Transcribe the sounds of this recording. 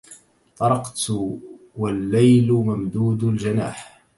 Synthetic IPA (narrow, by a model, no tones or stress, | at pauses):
t̪ˤɑɾˤɑqt̪ | walːajlmamd̪uːd̪ld͡ʒana̰ːħ